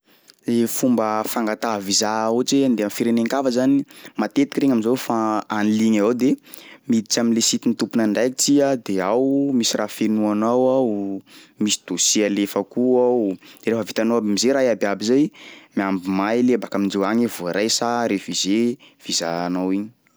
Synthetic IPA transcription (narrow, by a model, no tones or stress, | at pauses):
lefumbəfaŋɡat̪aɦvizaot͡ʃend̪eamfiɾeneŋkavəzanimat̪et̪i̥kɾeŋaminzowfaaniliɲazawd̪emid̪it͡ʃaminlesit̪init̪upunaɳɖ͡ʐajkit͡siad̪eawmisirʔafenuanawawmisi̥d̪osialefəkuḁɾefəvit̪anoabimizeɾajabjabizajmiambimajlebakamind͡ʒewaŋivoɾajsaɾefize | v̥iza̰nawiɲi